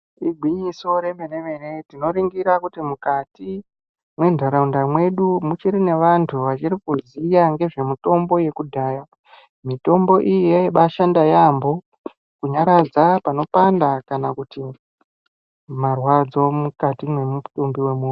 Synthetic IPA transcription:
iɡʱwiɲiso̞ɾe̞mene̞me̞ne̞tino̞ɾiŋɡiɾakutimukati | mwe̞ndʱaɾaundamwe̞ɗumut͡ʃiɾine̞ʋantʰuʋat͡ʃirikuzijaŋɡe̞ʐe̞muto̞mbo̞je̞kudʱaːja | mito̞mbo̞ʔijeɓaʃandajambo̞ | kuɲaɾad͡zapano̞pandakanakuti | marwad͡zo̞mukatimwe̞mutumbiwe̞muːnu

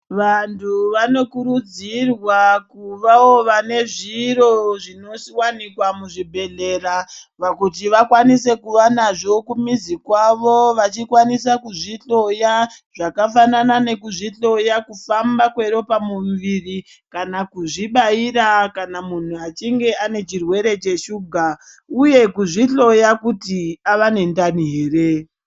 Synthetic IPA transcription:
ʋantʰuʋano̞kuɾud͡zirwakuʋaoʋane̞ʐiro̞ʐino̞siwanikwamuʐibʱe̞ɮe̞ːrapakut̬iʋakwanise̞kuʋanaʐo̞kumizikwaʋo̞ʋat͡ʃikwanisakuʐiɬo̞jaʐ̥akafananane̞kuʐiɬo̞jakufambakwe̞ɾo̞pamuʋiri | kanakuʐiɓaiɾakanamun̤uat͡ʃiŋɡe̞ʔane̞t͡ʃirwe̞ɾe̞t͡ʃe̞ʃuːɡʱa | uje̞kuʐiɬo̞jakutiaʋane̞ndaniɦeːɾe

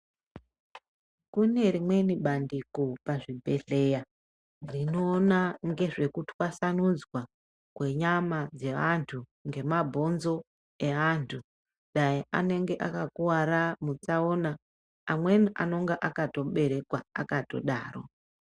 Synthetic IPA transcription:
kune̞rimwe̞niɓandikopaʐibʱe̞ɬe̞ja | rino̞ːnaŋɡe̞ʐe̞kutiwasanud͡zwa | kwe̞ɲamad͡ze̞ʋantʰuŋɡe̞mabʱo̞nzo̞ | e̞ʋantʰu | ɗajiane̞ŋɡe̞ʔakakuwaramut͡saoːnaː | mwe̞niʔa̰no̞ŋɡeʔakato̞ɓe̞ɾe̞kwaa̰kato̞̰ɗa̰ːro̞̰

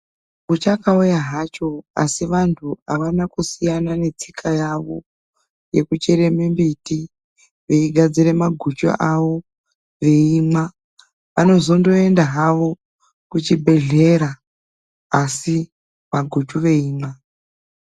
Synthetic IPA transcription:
ut͡ʃakaujaɦat͡ʃo̞a̰siʋantʰua̰ʋanakusijanane̞t͡sikʰajaʋo̞̰ | je̞kut͡ʃeɾe̞membiti | ʋeiɡʱad͡ziɾe̞maɡʱut͡ʃo̰ʔaʋo̞ | ʋe̞iːma | ʋano̞zo̞ndo̞e̞ndaɦaʋo̞ | kut͡ʃibʱe̞ɮe̞ɾaː | si | ʋaɡʱut͡ʃuʋe̞iːma

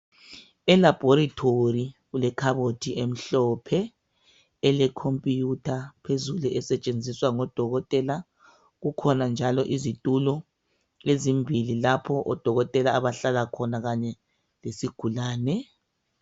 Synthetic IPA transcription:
ɛlab̥ʱoɾatʰoriɣulɛkʰaβotʰiʔem̩ɬɔpʰɛː | lɛkʰompʼijutʰapʰezuluʔɛsɛt͡ʃʼend͡zʱiswaŋɔd̥ʱɔɣɔtʼɛla | ɣukʰɔnand͡ʒʱalɔʔizitʼulɔ | lezimbʱililapʰɔʔɔd̥ʱɔɣɔtʼɛlaːβaɬalakʰɔnaɣaɲɛ | lesiɡ̥ʱulaːnɛ

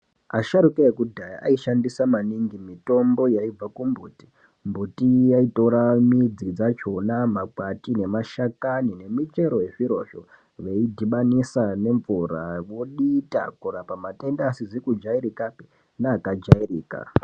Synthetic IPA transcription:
aʃaɾukaekudʱaja̰ʔaiʃandisamaniŋɡimito̞mbo̞jaib͡vakumbuːti̥ | mbutijaito̞ɾamid͡zid͡zat͡ʃo̞namakwatine̞maʃakanine̞mit͡ʃe̞ɾo̞je̞ʐiɾo̞̰ʃo̰ | ʋe̞idʱiɓanisane̞ɱvuɾa̰ʋo̞ɗita̰kuɾapamatendasid͡zekud͡ʒaiɾikapi̥ | naːkad͡ʒairiːka̰

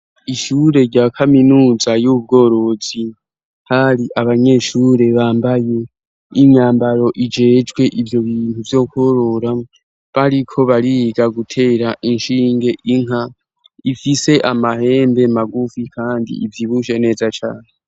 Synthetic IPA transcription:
iʃuːɾe̞ɾɟaːkʰaminuːzajub̚ɡo̞ːɾo̞z̥i | haɾiʔaβaɲe̞ʃuːɾe̞βaːmbaje̞ | iɲaːmbaɾo̞ʔid͡ʒe̞ːd͡ʒɡwe̞ʔivjo̞βiːntuvjo̞kuoɾo̞ɾa | βaɾikʰo̞βaɾiɡaɡutʰe̞ːɾaʔinʃiːŋɡe̞ʔiŋa | ifise̞ʔamahe̞ːmbe̞maɡufikʰaːndḭʔivjiβuʃe̞ne̞ːzat͡ʃaːne

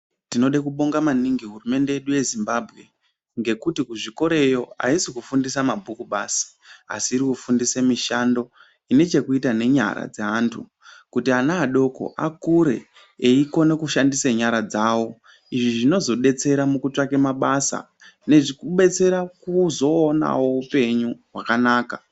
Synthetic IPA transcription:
tino̞ɗekuɓo̞ŋɡamaniŋɡiɦurume̞nde̞jeɗuje̞zimbaːbʱɣe̞ | ŋɡe̞kutikuʐiko̞ɾe̞jo̞a̰isikufundisamabʱukuɓasi̥a̰siːɾikufundisemiʃando̞ | ine̞t͡ʃe̞kuitane̞ɲa̰ɾa̰d͡zeɦaːntʰṵ | kutianaːɗo̞ko̞̰ʔakuɾe̞ː | iko̞nekuʃandiseɲaɾad͡zawo̞ | iʐiʐino̞zo̞ɓe̞t͡se̞ɾamukut͡ʂakemaɓasa̰ | ne̞ʐikuɓe̞t͡se̞ɾakuzo̞ːna̰wo̞upe̞ɲuɦwakanaːka

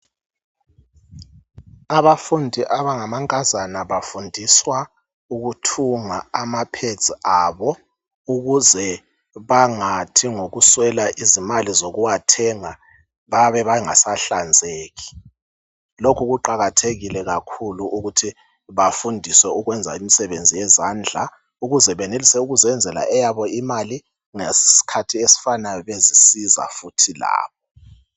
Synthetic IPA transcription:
aβafundʱiʔaβaŋamaŋkʼazanaβafundʱiswa | uɣutʰuŋaamapʰed̥d͡z̥ʱʼiaːβɔ | uɣuzɛ | βaŋatʰiŋoɣuswɛlaʔizimalizoɣuwatʰɛŋa | βaβɛβaŋa̰saɬand͡zʱeːɣi̥ | lokʰuɣuǃaɣatʰeɣilɛɣakʰuluʔuɣutʰi | βafundʱiswɛuɣwɛnd͡zʱa̰imisɛβend͡zʱijɛzaːnd͡ɮʱa | uɣuzɛβɛnelisɛuɣuzɛnd͡zʱɛla̰ʔɛjaβɔimali | ŋesi̥si̥kʰatʰiesi̥fanajɔβezisiza̰futʰila̰ːβɔ

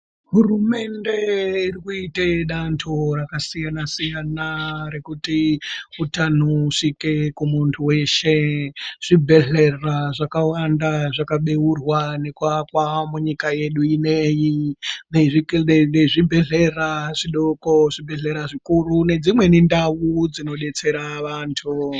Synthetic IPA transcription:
ɦurume̞ndeirikuiteɗantʰorakasijanasijanare̞kutiutanuʂikekumuntʰuwe̞ʃe̞ʐ̥ibʱe̞ɮe̞raʐakawandaʐakaɓe̞urwanekuakwamuɲikaje̞ɗuinejineʐineʐibʱe̞ɮe̞raʐiɗoko̞ʐibʱe̞ɮe̞ɾaʐikurune̞d͡zimwe̞nindawud͡zino̞ɗe̞t͡se̞ɾaʋaːntʰu

